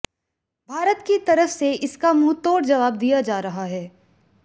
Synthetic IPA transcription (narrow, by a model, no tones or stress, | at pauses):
bʱaːɾət̪kit̪ɐɾəfseʔɪskamut̪oːɾd͡ʒɐʋaːbd̪ijad͡ʒaːɾɐɦaɦɛː